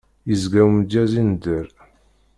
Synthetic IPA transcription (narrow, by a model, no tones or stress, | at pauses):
jəzɡæwmd͡ʒæzind̪əɾ